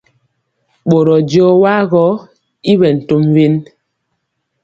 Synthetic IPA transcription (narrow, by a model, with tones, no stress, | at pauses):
ɓo˨ɾɔ˨d͡ʒɔː˦wa˦ɣɔ˨˦ | i˦βɛ˨n̩˨to˦mve˦n